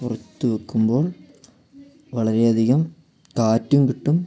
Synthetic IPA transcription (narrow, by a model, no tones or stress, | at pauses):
pʊrɐt̪ːɯʋɐkːɯmboːl | ʋɐɭɐɾɐjɐðɪɣɐm | kaːtːɯmkɪʈːɯm